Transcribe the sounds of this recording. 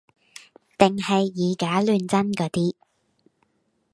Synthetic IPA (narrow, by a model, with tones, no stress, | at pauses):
t̪ɪ˨ŋhɐ˨jːiː˨˧kaː˨˥lyː˨˧nt͡sɐ˥nkɔː˨˧˥t̪iː˥